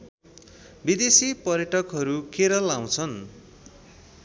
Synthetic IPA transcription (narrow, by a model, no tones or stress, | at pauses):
bid̪esipʌɾjʌʈʌkɦʌɾukeɾʌlaw̃t͡sʰʌn